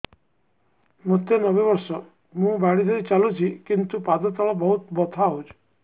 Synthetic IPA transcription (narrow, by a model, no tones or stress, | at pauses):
mot̪ːenɔbebɔɾsɔ | mũbaɽid̪ʰʱɔɾit͡ʃalut͡ʃʰikint̪upad̪ɔt̪ɔɭɔbɔɦut̪bɔt̪ʰaɦut͡ʃʰ